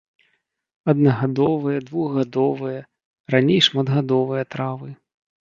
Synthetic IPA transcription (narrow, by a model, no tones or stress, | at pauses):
ɐd̪̚nɐɣad̪ɔvɨjɐd̪vuɣɣad̪ɔvɨjɐ | ranʲejʂmad̪ɣad̪ɔvɨjɐt̪ɾavɨ